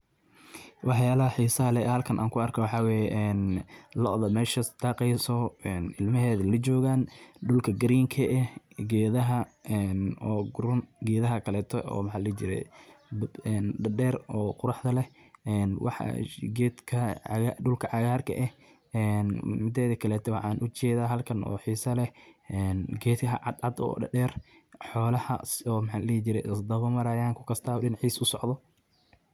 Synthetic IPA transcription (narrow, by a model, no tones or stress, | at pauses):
wɑħjaːlɐɐħiːsɐɦɐlɛhɐlkʰɐnʔa̰ːŋkʰʊɐrkʰɔwɑħɑwɛːjɛʔɛːnlɔðɐmɛːʃɐd̪̥ɑːqɛjsɔɛnɪlmɐɦɛːðɐlɐt͡ʃɔːɣaːnɖʊlkʰɐɡɐɾiːŋkʰɐʔɛ | ɡɛːðɐɦɐɛnɔːɡɾʊnɡɛːðɐɦɐkʰɐlɛːt̪ʰɔʔɔ̰ːwħɑlɐt͡ʃɪɾɛ̰ | ɛːnɖɐɖɛːrɔːqʊɾɑħd̪ɐlɛ | ɛːnwʔɑ̰ħɑ̰ɡɛːd̪kʰɐɣaɖʊlkʰɐʕɑɣaːrkʰɐ̰ʔɛh | ɛnmɪd̪ɛːðɐkʰɐlɛːt̪ʰɔwɑħɑːnʔʊt͡ʃɛːðaːɦɐlkʰɐnʔɔ̰ːħiːsɐlɛɛːnɡɛːd̪kɐ̰ʕɑd̪ʕɑd̪ɔ̰ːɖɐ̰ɖɛːr | ħɔːlɐhɐ̰sɔːmħɑlɛːt͡ʃɪɾɛsd̪ɐβɔmɐɾɐjaːŋkʰʊ̥kʰɐst̪ʰaːɗɪnħiːsʊsɔʕðɔ